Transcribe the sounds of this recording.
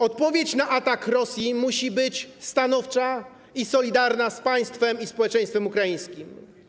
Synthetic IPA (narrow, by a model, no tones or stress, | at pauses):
ɔt̪̚pɔvʲjet͡ɕnaʔat̪akɾɔsʲjimuɕibɘt͡ɕst̪anɔft͡ʂa | isɔlʲid̪aɾnaspaj̃st̪fɛmispɔwɛt͡ʂɛj̃st̪fɛmukɾajĩj̃skʲim